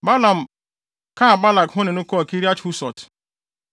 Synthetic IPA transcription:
ba˦la˨m̩˨ | ka˦a˨ba˦la˨kɦʊ˦nɪ˨nʊ˦kɔ˦˨ki˦ɾi˦a˦t͡ʃhu˦sɔ˨t

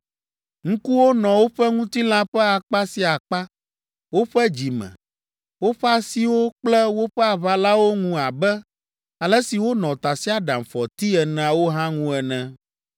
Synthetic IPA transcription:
ŋ̩̃˦ku˦wo˦nɔ̃˨wo˦ɸɛ˦ŋũ˦t̪i˦l̃ã˦ɸɛ˦a˨k͡pa˦si˦a˨k͡pa˦ | wo˦ɸɛ˦d͡ʑi˨mɛ̰̃˨ | wo˦ɸɛ˦a˦si˦wo˦k͡plɛ˦wo˦ɸɛ˦a˨βa˦la˦wo˦ŋũ˦a˨bɛ˦ | a˨lɛ˦si˨wo˦nɔ̃˨t̪a˨si˦a˦ɖa˨mfɔ˨t̪i˦ɛ˨nɛ̃˨a˨wo˦ɦã˦ŋũ˦ɛ˨nɛ̃˨

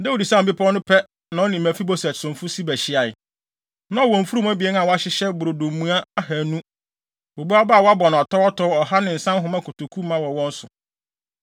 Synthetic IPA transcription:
dɛ˦wo˨di˨sa˦˨bɪ˦pʰɔ˦nʊ̃˦pʰɛ˦ | nã˨wɔ˦nĩ˨mæ˨fi˦bo˦sæ̥˨sʊ̃˨fʊ˦si˦bæ˨ɕɪ˦a˨j | nã˦ɔ˨wɔ̃˨m̩˨fu˦ɾu˦ma˦bi˨ɛ˦n˦ã˨wɔ˦a˦ɕɪ˦ɕɛ˦bʊ˨ɾo˨dõ˨m˨mːũ˦a˦a˦hæ˨nũ˦ | bo˨bu˦a˦ba˦˨wɔ˦a˦bɔ˨ñ˨ɔ˨tʰɔ˦wɔ˦tʰɔ˦wɔ˨ɦa˦nɪ̃˨n̩˨sã˦ɦʊ̃˨mã˦kʰʊ˨tʰʊ˨kʰu˦mã˦wɔ˨wɔ̃˦n̩˦sʊ˨

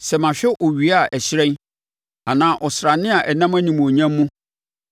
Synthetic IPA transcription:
sɛ˨mã˨ɕᶣɛ˦ʔɔ˨ɥi˨a˦˨ʔæ˨ɕɾɛ̃˦n | a˨nãː˦ʔɔ˨sɾa˨nɪ̃˦a˨ʔɛ˨nã˦mæ̃˦nĩ˨m̃˨ɔ˨ɲã˦mː˦ũ˦

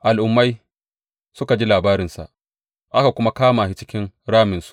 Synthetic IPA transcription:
ʔa˨lʔʊ˨mːa˦j | sʊ˦ka˨d͡ʒi˦laː˨baː˦ɾɪ˨nsa̰˨ʔ | ʔa˦ka˨kʷʊ˦ma˦kaː˦ma˨hɪ˦t͡ʃɪ˦kʲɪ˦nɽaː˦mɪ˨nsu̥˨

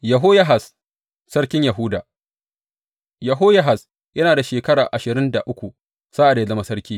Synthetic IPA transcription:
jɐ˨ɦoː˦ja˦ɦa˨s | sɐ˦ɽkʲɪ˦ɲja˨ɦʊ˦daː˨ | jɐ˨ɦoː˦jɐ˦ɦa˨s | jɐ˦naː˨da˨ʃeː˨kɐ˦ɽaː˨ʔa˨ʃɪ˨ɾɪ˦nda˨ʔʊ˦kʷu˨ | sa˦ʔa˨da˨ja˦zɐ˦ma˦sɐ˦ɾkʲiː˦

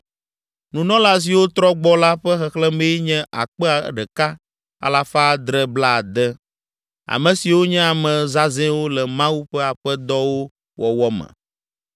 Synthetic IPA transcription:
nũ˨nɔ̃˦la˦s̬i˨wo˦t̪ɾɔ˦ɡ͡bɔ˦la˦ɸɛ˦xɛ˨xlɛ˦me˦jɲɛ̃˦ʔa̰˨k͡pɛ˦a˨ɖɛ˨ka˦ | a̰˨la˨fa˦˨d̪ɾɛ˦bla˦˨d̪ɛ˦ | a̰˨mə̃˨si˨wo˦ɲɛ̃˦a˨mɛ̃˨za˦zɛ̃˦wo˦lɛ˨mã˦wu˦ɸɛ˦a˨ɸɛ˦d̪ɔ˦wo˦ | wɔ˨wɔ˦mɛ̰̃˨

